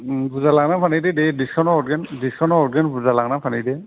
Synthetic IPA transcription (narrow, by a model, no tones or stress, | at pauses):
buzalaɡnapʰanidedɛdiskʰɔnɔɔdɡɛndisʰɔnɔɔdɡanbuzalaɡnapʰanidɛ